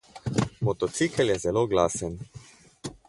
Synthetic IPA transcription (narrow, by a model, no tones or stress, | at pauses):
mɔt̪ɔt̪sikəljɛzɛloːɡlaːsən